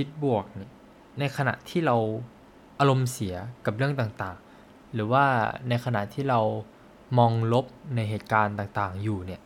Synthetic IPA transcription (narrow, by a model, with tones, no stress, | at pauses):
pʰi˦˥t̪̚bu˨˩ək̚ni˧˥˩ə | na˧jkʰa˧na̰˨˩ʔt̪ʰiː˥˩ɾa˧w | ʔa˧ɾo˧msi˩˦ɐka˨˩p̚ɾɯ˥˩əŋt̪aː˨˩ŋt̪aː˨˩ŋ | ɾɯː˩˦waː˥˩na˧jkʰa˧na̰˨˩ʔt̪ʰiː˥˩ɾa˧w | mɔː˧ŋlo˦˥p̚na˧jɦeː˨˩t̪̚kaː˧nt̪aː˨˩ŋt̪aː˨˩ŋjuː˨˩ni˥˩ɐ